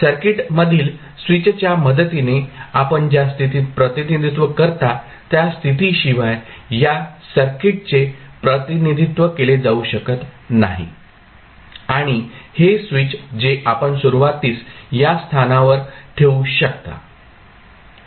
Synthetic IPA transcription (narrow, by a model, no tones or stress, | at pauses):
səɾkiʈməd̪ʱiːl | sʋit͡st͡ɕjaməd̪ət̪ineapəɳd͡ʑjast̪ʰit̪iːpɾət̪inid̪ʱit̪ʋəkəɾt̪a | t̪jast̪ʰit̪iːɕiʋajjasəɾkiʈ̚t͡sepɾət̪inid̪ʱit̪ʋəkeled͡zauɕəkət̪naɦḭ | aɽ̃ihesʋit͡ɕd͡zeʔapəɳsuɾuʋat̪iːt͡sjast̪ʰanaʋəɾʈʰeuɕək̚t̪a̰